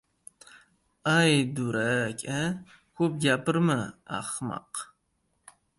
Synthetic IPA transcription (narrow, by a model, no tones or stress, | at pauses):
ajd̪uɾakʰʲʼɐ | xop̚ɡʲapɨɾmɨa̰χmɑ̰q